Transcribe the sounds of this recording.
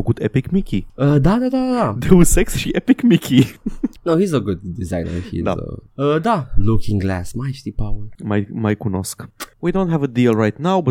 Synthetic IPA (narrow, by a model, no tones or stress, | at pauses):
ɡudɛpɪkmikʰiəd̪ad̪ad̪adad̪ewusɛksʃiɛpɪkmikʰinoʊhizəɡʊd̚dizãɪ̃nə̰˞hḭda̰ʌd̪alukʰɪ̃ŋɡlæsmajt͡ʃt̪ipʰaʊə˞mamaɪkunɔ̰skwidõʊ̃nthævəd̪ilˠɹaɪtnawbʌt